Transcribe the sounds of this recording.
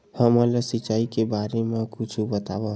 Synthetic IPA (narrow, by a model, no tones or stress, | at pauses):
həmələsit͡ʃːaːikebaɾemẽkut͡ʃʰubət̪a̰bə